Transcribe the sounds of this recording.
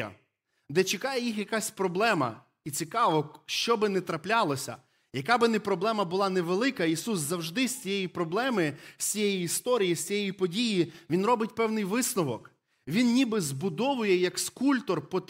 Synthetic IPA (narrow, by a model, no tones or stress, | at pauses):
ɐ̰ | d̪ɛt͡ʃɪkɑjɛjixjɐkasʲpɾɔblˠɛmɐ̰ | it͡sʲikɑʋɔʃt͡ʃɔbɪnɛt̪ɾɐplʲɑlˠɔsʲɐ̰ | jɐkɑbɪnɛpɾɔblˠɛmɐbʊlˠɑneʋelˠɪkɐisuszɐwʒd̪ɪsʲt͡sʲijɛjipɾɔblˠɛmɪw̥sʲt͡sʲijɛjiist̪ɔɾʲijisʲt͡sʲijɛjipɔdʲijiʋʲinɾɔbɪtʲpɛwnɪjʋɪsnɔʋɔk | ʋʲinnʲibɪzbʊd̪ɔʋʊjɛjɐkskulʲt̪ɔrpɔt̪